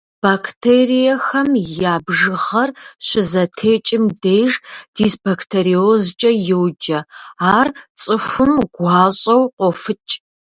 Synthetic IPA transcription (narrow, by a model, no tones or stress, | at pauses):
b̥aːkʰtʰeːrijɐxɐmjaːbʒɨʁɐrɕɪzɐtʰeːt͡ʃʼɪmdejʐd̥iːsb̥akʰtʰeːɾiozt͡ʃʼɐjɪwd͡ʒɐaːrt͡sʼɨʂʷʊmɡʷaːɕʼɐwqʷɔfɨt͡ʃʼ